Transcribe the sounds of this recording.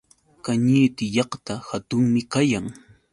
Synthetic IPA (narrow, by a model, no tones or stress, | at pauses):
kaɲiːt̪ɪjɑχt̪ahat̪ʊŋmɪkajaŋ